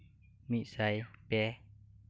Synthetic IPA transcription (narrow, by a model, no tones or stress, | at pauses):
misajpɛ